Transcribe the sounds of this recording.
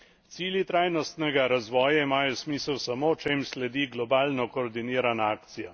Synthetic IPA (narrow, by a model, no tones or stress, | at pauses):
t̪siːljit̪ɾaːjnɔst̪nɛɡaɾazʋɔːjaimaːjɔsmiːsəwsamot͡ʃeːmslɛd̪iɡlɔbaːlnɔkɔːɾd̪iniːɾanaaːkt̪sija